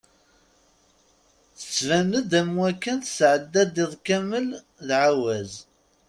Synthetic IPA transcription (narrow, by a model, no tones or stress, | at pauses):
θə̥t͡sːvæməd̪æmwækːənθə̥sʕəd̪ːæd̪iðˤkæməl | ðʕawæz